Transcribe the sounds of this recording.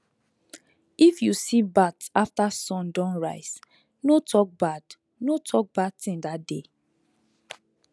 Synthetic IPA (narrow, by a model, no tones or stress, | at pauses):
ifjusibataftasɔ̃ndɔ̃nɹaɪs | notʰɔk̚bad | notʰɔk̚bad̚tĩndat̚de